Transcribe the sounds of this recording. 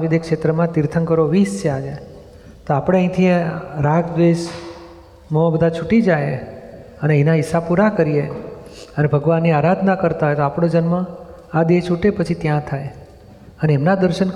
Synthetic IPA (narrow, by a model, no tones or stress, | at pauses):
ʋid̪ekʃet̪ɾəmãt̪iɾt̪ʰəŋkəɾoʋist͡ʃʰead͡ʒae | t̪oapɽ̃eə̃ĩt̪ʰiẽɾaɡʋeʃ | mə̃bəd̪ʱat͡ʃʰuʈid͡ʒaje | əneinaɪsːapuɾakəɾije | ənebʱəɡʋanːiaɾad̪ʱnakəɾt̪aɦojt̪oapɽ̃od͡ʒənmə̃ | ad̪et͡ʃʰuʈepət͡ʃʰit̪jãt̪ʰaj | əneːmnad̪əɾʃən